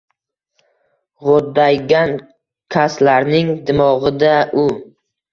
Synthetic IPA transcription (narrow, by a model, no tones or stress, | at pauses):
ʁod̪ːajɡʲan | kʲʰaslaɾnɪŋd̪ɪmɒʁɨd̪aʔʊ